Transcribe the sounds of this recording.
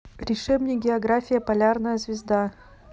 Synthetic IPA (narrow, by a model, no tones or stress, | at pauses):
ɾʲɪʂɛbnʲɪɡʲɪɐɡɾafʲɪjəpɐlʲarnəjəzvʲɪzd̪a